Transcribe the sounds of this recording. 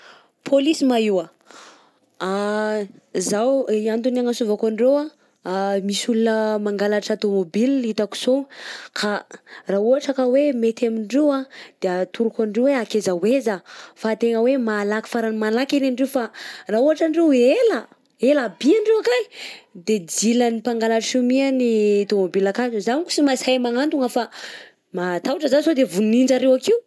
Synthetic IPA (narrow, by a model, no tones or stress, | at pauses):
pʰolisimaiwa | a | zawiant̪unaŋasuvakoɳɖ͡ʐewa | misulunəmaŋɡalaʈ͡ʂat̪omobiliit̪aku̥sokʰarauɦaʈ͡ʂaəkawemet̪amiɳɖ͡ʐewad̪̥eat̪uɾukaɳɖ͡ʐeweakezawezafat̪eŋəwemalaki̥faɾanimalakiɾeɳɖ͡ʐewfarauaʈ͡ʂaɳɖ͡ʐewela | elabiaɳɖ͡ʐewakaid̪ed͡zilanipaŋɡalaʈ͡ʂsimianiat̪omobilakazuzanuku̥simashajmaŋant̪uŋafa | mat̪auʈ͡ʂəzasod̪evunnind͡ʒaɾewakiu